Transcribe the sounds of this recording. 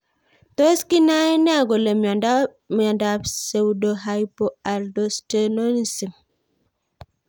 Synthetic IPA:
to˦ski˦na˦nɛ˦˨ɡo˨le˨mɔ˨nda | mjɔ˨nda˨pse˦wdo˨ɦajpo˦a˨ldo˦ste˦no˦nsi˨m

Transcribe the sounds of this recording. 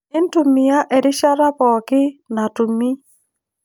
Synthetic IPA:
ɪ˦n˦tu˨mi˨a˦ʔɛ˨ɾɪ˦ʃa˦ɾa˦pɔ˨kɪ˦na˨tu˨mi˦

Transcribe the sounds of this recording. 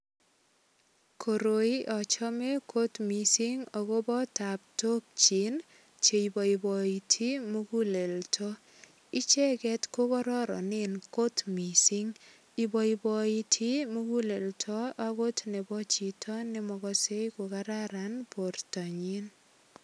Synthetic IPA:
kʰo˨ɾo˨i˦ʔɔ˨t͡ʃɔme˦kʰo˦tmi˨si˦ŋɔɣo˦bɔ˦ta˨p̚to˦k̚t͡ʃi˨n | t͡ʃe˨ibɔ˨ibɔitʰi˦muɡu˦le˨ltʰɔ | i˦t͡ʃɛ˦kɛtko˦kɔ˦ɾɔ˦ɾɔ̰˨ninko˦tmi˨siŋ | i˨bɔ˨ibɔitʰi˦muɡu˦le˨ltʰɔ˦a˦ɣo˦tne˨bɔ˦t͡ʃi˨tʰɔ˦ne˦mɔɣɔse˦jkokaɾaɾanpo˨rtɔ˨ɲin

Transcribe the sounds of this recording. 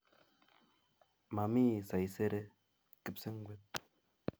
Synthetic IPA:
ma˨mi˦˨sa˨i˨se˦ɾe˦ | ki˦p̚se˦ŋ̩˦ɡʷwe˦t̚

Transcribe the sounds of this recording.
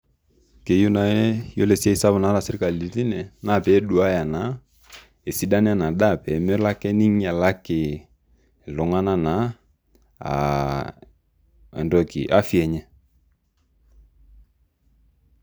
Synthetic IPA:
ke˨ju˦na˨˦jɔ˦lɛ˨si˦a˦i˦sa˦βʊ˨na˨˦la˨sɛ˨ɾi˦ka˨li˨˦ti˦nɛ˨na˦˨pɛ˨˦ɗu˨a˦ja˨na˨˦ | e˨si˨˦da˦n˦a˦˨na˨ɗa˦˨pɛ˨mɔ˦la˦kɛ˦ni˦ŋ˦a˨la˦kɪ˨ | lɔ˨ŋa˦na˦na˨˦ | a̰˨ | ɛ̰˨ndɔ˦kḭ˨ʔa˦fi˦ɛ˨ɲɛ˦

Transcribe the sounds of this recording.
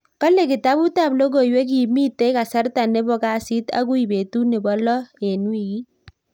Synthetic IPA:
kɔ˦le˦˨kɪ˨ta˦bu˦ta˦˨blo˦ɡo˨i˨we˦k̬i˨miː˦te˦ka˨sa˦rta˨ne˦bɔ˨˦ka˦si˦ta̰˦ku˦i˨be˨tu˦ne˨bɔ˦lɔ˦e˨nwi˦˨ki˦

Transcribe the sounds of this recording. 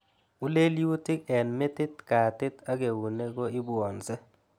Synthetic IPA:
u˦le˦lju˦tɪ˦k̚ɛ˨nmɛ˦tɪ˦t̚ka˨tɪ˦ta˦ɡe˨wu˨ne˦ko˦ɪ˦bɔ˨nsɛ˦

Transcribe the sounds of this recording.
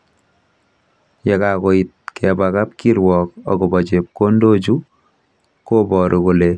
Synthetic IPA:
jɛ˨ka˨ko˨i˨t̚kʰɛ˨ba˨ka˦p̚ki˦ɾwɔ˨k̚ɔ̰˨kɔ˨bɔ˨t͡ʃe˨p̚ko˦ndo˦d͡ʒu˦ | ko˦bɔ˨ɾʔo˨ko˨le˨

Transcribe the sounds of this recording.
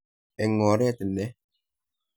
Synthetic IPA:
ɛ˨ŋːɔː˨ɾɛ˦tɪ˨nɛ˦

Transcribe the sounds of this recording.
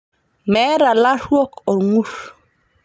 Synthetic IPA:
mɛ˦ɾa˨la˦ʂwɔ˦kɔ˨ŋu˦ɾ

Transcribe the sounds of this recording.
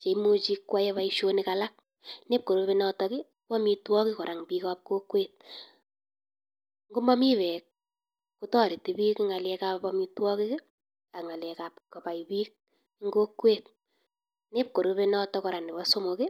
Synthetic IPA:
t͡ʃe˨imo˦t͡ʃi˦˧kːwa˦jɛ˦βa˦iʃo˦ni˦ka˨la˦k̚ | ne˦p̚ko˨ɾu˧pe˧nɔ˦tɔkɪ˦ | pɔ˦mi˧twɔ˦kɪ˦kɔ˨ɾʔa˨ŋpiː˧kap̚ko˦kweː˦t̚ | ŋɡu˦ma˦mi˦βɛ˨k̚ | ku˦tɔ˦ɾi˨ti˨bi˦kŋa˨lɛ˧ka˦pɔmi˧twɔ˦kɪ˦kɪ˦ | a˨ŋa˨lɛkap̚ko˨pa˨ibiː˦k̚ | ŋɡo˦kweːt̚ | ne˦p̚ko˨ɾu˧βe˦nɔ˦tɔkɔ˨ɾa˨ni˨bɔ˦so˦mo˨kɪ˦

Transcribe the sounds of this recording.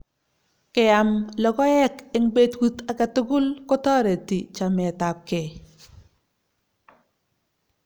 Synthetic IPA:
kɛ˨ja˨mlɔ˨ɡɔ˦jɛ˦kɪ˨ŋbe˦tku˦ta˨ka˨tʊ˦ɡʊ˦lkɔ˦tɔː˦ɾe˨ti˨t͡ʃa˨mɛ˨ta˨p̚kɛ˨

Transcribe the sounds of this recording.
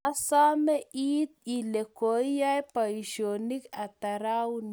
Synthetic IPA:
a˦sa˦mɛ˦ʔiː˦t̪̚i˨le˨ko˨ja˦jpa˨iʃoni˦kat̪a˨ɾawn

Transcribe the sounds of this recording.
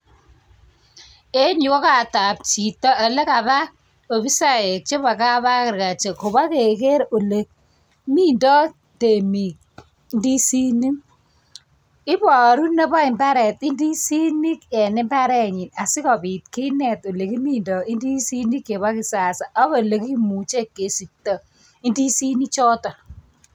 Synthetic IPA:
e˦ɲu˨kɔ˦ka˨ta˨p̚t͡ʃi˨tɔ˦a˨le˦ka˨ba˦ | o˨bi˦sa˦je˨k̚t͡ʃe˦βa˨ka˦βa˦kɪ˨ɾka˨t͡ʃe˨ko˨ba˦ke˨ke˦ɾo˨le˨k̚ | mi˦ndɔ˦ | te˨mi˨k̚ | ndi˦si˦ni˦m | ɪ˦bɔ˨ɾu˦ne˦ba˦ɪ˨mba˦ɾɛ˨ti˦ndi˦si˦ni˦kɛ˨nɪ˦mba˦ɾɛ˦ɲi˨na˨sɪ˦kɔ˨bi˨t̚ki˦nɛ˨to˨le˨ki˦mi˦ndɔ˨i˦ndi˦si˦ni˦ke˨ba˦ki˨sa˨sa˨ʔa˦βo˨le˨ki˦mu˨t͡ʃe˦kːe˨si˨tɔ˨ | i˦ndi˦si˦ni˦t͡ʃɔ˦tɔ˨

